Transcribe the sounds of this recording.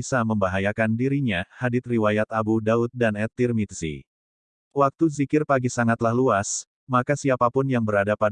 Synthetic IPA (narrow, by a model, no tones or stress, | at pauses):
saməmbaɦajakandiɾiɲahadɪt̪̚riwajat̪abudaʊt̪̚danɛt̪irmit̪sḭ | wak̚t̪uzikɪrpaɡisaŋat̪lahluas | makasiapapʊnjaŋbəɾadapa